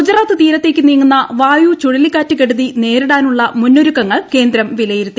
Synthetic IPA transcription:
ud͡ʑɐraːt̪ːɨt̪iːɾɐt̪ːe̞ːkːɨniːŋːunːɐʋaːjut͡ɕuɻilikːaːtːɨkeɽuðine̞ːɾuɽaːnuɭːɐmunːoɾukːɐŋːɐɭke̞ːnd̪ɾɐmʋilɐjiɾut̪ːi

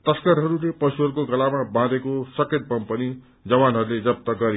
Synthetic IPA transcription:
t̪ʌskʌɾɦʌɾulepʌsuɦʌɾukoɡʌlamabãd̪ekosʌked̪̚kʌmpʌni | d͡zʌbanɦʌɾuled͡zʌp̚t̪ʌɡʌɾi

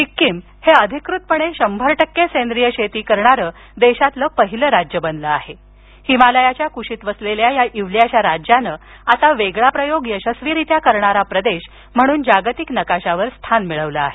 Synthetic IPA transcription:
ʈikːim | heəd̪ʱikɾut̪̚pəɽ̃eɕəmbʱəɾʈəkːesend̪ɾijəɕet̪iːkəɾɳaɾəː | d̪eɕat̪ləːpəɦiləɾad͡ʑjəbənləaɦe | himaləjat͡ɕjakuɕiːt̪ʋəsleljajaʔiʋljaɕaɾad͡ʑjanəː | asaʋeɡɭapɾəjoɡjəɕəsʋiɾit̪jakəɾɳaɾapɾəd̪eɕ | m̤əɽ̃uːnd͡ʑaɡt̪iknəkaɕaʋəɾst̪ʰanmiɭəʋləa̰ɦe

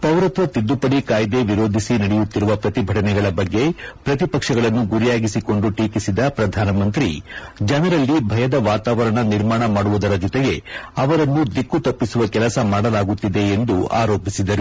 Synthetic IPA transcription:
p̪ɐwɾɐt̪ʋɐt̪id̪ːupɐɽikaːjd̪e̞ʋiɾo̞ːd̪ʱisinɐɽɛjut̪ːiɾuʋɐpɾɐt̪ibʱɐʈɐnɛɡɐɭɐbɐɡːe̞pɾɐt̪ipɐkʂɐɡɐɭɐnːuɡuɾijaːɡisiko̞ɳɖuʈiːkisid̪ɐpɾɐd̪ʱaːnɐmɐnt̪ɾḭd͡ʒɐnɐɾɐlːibʱɐjɐd̪ɐʋaːt̪aːʋɐɾɐɳɐniɾmaːɳɐmaːɽuʋud̪ɐɾɐd͡ʒɔt̪ɛɡe̞ɐʋɐɾɐnːud̪ikːut̪ɐpːisuʋɐkɛlɐsɐmaːɽɐlaːɡut̪ːid̪e̞ːnd̪ua̰ːɾo̞ːpisid̪ɐɾu

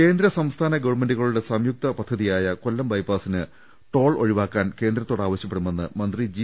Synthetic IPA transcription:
ke̞ːnd̪ɾɐsɐmst̪ʰaːnɐɡɐʋɐme̞ndɖuɣɐɭuɽe̞sɐmjuk̚t̪ɐpɐd̪ʱːɐðijaːjɐko̞lːɐmbɐjpaːsinɨ | ʈo̞ːɭo̞̰ɻiʋaːkːaːnke̞ːnd̪ɾɐt̪ːo̞ːɽaːʋɐɕjɐpːe̞ɽumːe̞nːɨmɐnd̪rid͡ʑi

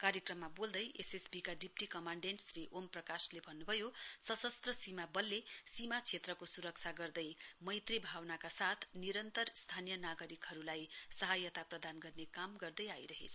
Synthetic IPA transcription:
kaɾjʌkrʌmːabold̪ʌjʔesesbikaɖipʈikʌmaɳɖeɳʈsriʔomprʌkaslebʱʌnːubʱʌjosʌsʌst̪rʌsimabʌlːesimat͡sʰet̪rʌkosuɾʌk̚t͡sʰaɡʌrd̪ʌjmʌjt̪ribʱawnakasat̪ʰniɾʌnt̪ʌrst̪ʰanijʌnaɡʌɾikɦʌɾulajsʌɦajʌt̪aprʌd̪anɡʌrnekamɡʌrd̪ʌjajɾʌɦḛt͡sʰʌ̥

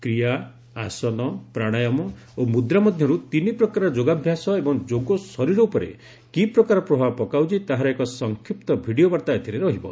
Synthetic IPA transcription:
kɾija | a̰sɔnɔpɾaɽ̃ajɔmɔ | omud̪ɾamɔd̪ʱjɔɾut̪inipɾɔkaɾɔd͡ʒoɡabʱjasɔebɔŋd͡ʒoɡosɔɾiɾɔupɔɾḛ | kipɾɔkaɾɔpɾɔbʱabpɔkawt͡ʃit̪aɦaɾɔekɔsɔŋkʰipt̪ɔbʱiɽijobaɾt̪aet̪ʰiɾeɾɔɦibɔ̰

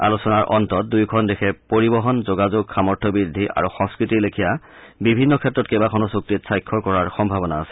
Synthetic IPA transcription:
a̰lusɔnaɹʔɔntɔt̚dujkʰɔndexʰɛpoɹibɔɦɔnzoɡazoɡxamɔɹtʰɔbɹidʱːiʔa̰ɹuxɔ̃ŋskɹitilekʰija | bibʱinːɔkʰɛtːɹɔtkebakʰɔnɔsuk̚titsajkʰːɔkɔɹaɹxɔmbʱabɔnaːsɛ̥

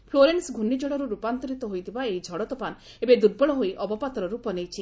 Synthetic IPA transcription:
pʰloɾensɡʱunid͡ʒɔɽɔɾuɾupant̪ɔɾit̪ɔɦojt̪ʰibaejd͡ʒʱɔɽɔt̪ɔpan | ebed̪uɾ̚bɔɭɔɦojʔɔbɔpat̪ɾɔɾupɔnejt͡ʃʰi

